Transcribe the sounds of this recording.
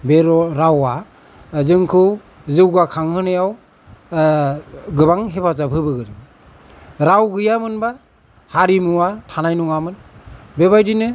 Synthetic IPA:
beɾɔɾawa | zɯŋkʰɯw | zɯwɡakʰaŋhɯnɯjaw | ɡɯbaŋɦebazabʰʱɯbɯɡɯɾi | ɾawɡɯjamɯnba | haɾimuwatʰanajnuŋamɯnbebajdinɯ

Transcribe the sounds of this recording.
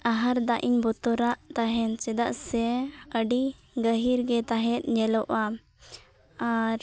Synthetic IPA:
aɦaɾd̪aʔiɲbɔt̪ɔɾaʔt̪aɦɛnt͡ʃɛd̪aʔsɛəɖi | ɡəɦiɾɡɛt̪aɦɛt̪̚ˀɲɛlɔʔa | aɾ

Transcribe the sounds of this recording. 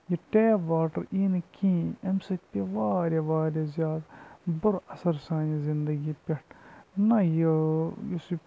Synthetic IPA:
jiʈeːʋaːʈɐɾiːnkĩːemsɐpiʋaːɾʲeʋaːɾʲezʲjaːd̪bʊɾɐsɐɾsãːnizind̪ɐɡiːpʲeʈʰnɐjijisi

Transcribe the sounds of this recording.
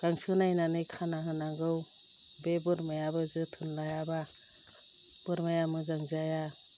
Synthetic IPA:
ɡ̥aŋsɯnajnanɯjkʰanaɦɯnaŋɡɯw | bebɯɾmajabɯzɯtʰɯnlajaba | b̥ɯɾmajamɯzaŋzaja

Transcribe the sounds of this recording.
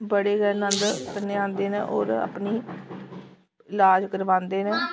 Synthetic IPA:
bəɽeːɡɛːɾnə̃nd̪t̪əneːãːnd̪eːnɛ̃ːʔɔ̰ːɾa̰pniː | ɪlaːd͡ʒkəɾʋãːnd̪eːnɛ̃ː

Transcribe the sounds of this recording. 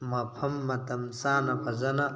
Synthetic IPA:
mɐpʰɐmːɐt̪ɐmsaːnɐpʰɐzɐnɐ

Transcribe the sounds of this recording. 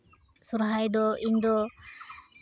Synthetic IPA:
suɾɦajd̪ɔiɲd̪ɔ

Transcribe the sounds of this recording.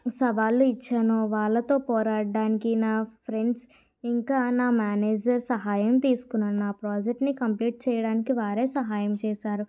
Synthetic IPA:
sɐʋaːluit͡ʃːaːnoːʋaːɭːɐt̪o̞ːpɔːɾaːɽɖaːnikinaːpʰɾe̞ɳɖs | iŋkaːnaːmaːneːd͡ʒɐɾsɐɦaːjɐmt̪iːsu̥kunːaːnunaːpɾaːd͡ʒek̚ʈnikɐmpliːʈ̚t͡ʃɛːjɐɽaːnikiʋaːɾe̞ːsɐɦaːjɐmt͡ʃɛːʃaːɾu

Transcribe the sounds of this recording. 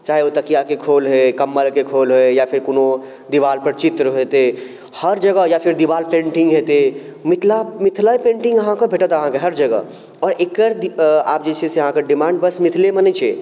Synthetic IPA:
t͡ʃaːɦeot̪ɐkijakekʰoːlɦekɐmːəlkekʰoːlɦoejapʰɪɾkunõ | d̪ɪʋaːlpəɾt͡ʃɪt̪ɾəɦet̪e | hɐɾd͡ʒəɡəjafʰɪɾd̪iʋaːlpẽːɳʈɪ̃ŋɡɦet̪emɪt̪ʰlamɪt̪ʰlapẽːɳʈɪ̃ŋɡəɦãkabʱeʈət̪ɦəɦãkeɦɐɾd͡ʒɐɡə̰ | ɔːɾeːkːəɾd̪a̰ːpd͡ʒesesjɐɦãkaɖɪmãːɳɖbəsmɪt̪ʰlemənət͡ʃʰe

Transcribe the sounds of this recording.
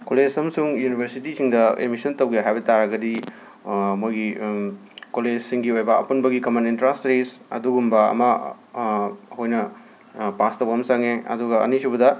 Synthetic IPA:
koled͡ʒɐmɐsuŋjunibʰʱɐɾsitisiŋdɐḛmisɐntɐwɡejɦajbɐtaɾɐɡɐdi | mojɡi | koled͡ʒsiŋɡiojbɐɐ̰punbɐɡikɐmanintɾastɾesɐ̰duɡumbɐɐ̰mɐ | hojnɐ | pastɐwɡɐmsaŋeɐ̰duɡɐɐ̰nisubɐdɐ

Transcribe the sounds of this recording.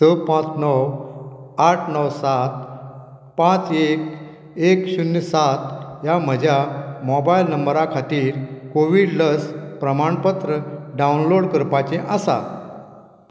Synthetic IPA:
səpãt͡snəw | aʈʰnəwsat̪̚ | pãt͡sek | ekɕunjəsat̪jam̤əd͡ʑʱjamɔbajlnəmbəɾakʰat̪iːɾkoʋiɽləspɾəmaɳpət̪ɾəɖawnloɽkəɾpat͡ɕẽʔasa̰

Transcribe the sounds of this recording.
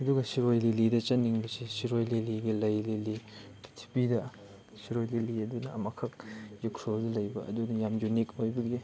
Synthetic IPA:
ɐduɡɐsiɾojlilidɐt͡ʃɐniŋbɐsisiɾojleliɡelɐjleli | tʰi̥pidɐ | siɾojleliɐdunɐɐmɐkʰɐk̚zikʰɾoldɐlɐjbɐʔɐ̰dunɐjamjunikojbɐɡde

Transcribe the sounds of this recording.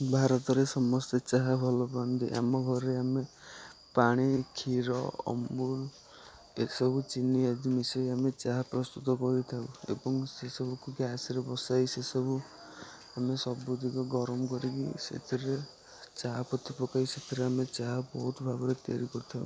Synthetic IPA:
bʱaɾɔt̪ɔɾesɔmɔst̪et͡ʃaɦabʱɔlɔpand̪ḭʔa̰mɔɡʱɔɾɾeame | paɽ̃ikʰiɾɔ̰ɔ̰mbul | esɔbut͡ʃiniad̪imisɔjamet͡ʃaɦapɾɔst̪ut̪ɔkɔɾit̪ʰauḛbɔŋsesɔbɔkuɡjasɾebɔsajsesɔbu | amesɔbud̪ʱikɔɡɔɾɔmɔkɔɾikisḛt̪ʰiɾe | t͡ʃaɦapɔt̪ʰipɔkajset̪ʰiɾeamet͡ʃaɦabɔɦut̪ɔbʱaɡɔɾet̪aɾikɔɾit̪ʰau

